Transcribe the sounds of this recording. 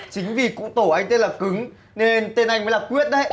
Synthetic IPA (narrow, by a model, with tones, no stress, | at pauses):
t͡ɕï˨˦ŋ̟vi˨˩kṵ˧˨˥t̪o˧˩ʔa˧jŋ̟t̪e˧nlaː˨˩kɨ˨˦ŋ | ne˧nt̪e˧nʔa˧jŋ̟mə˨˦laː˨˩kwi˦˥ət̚ɗə˦j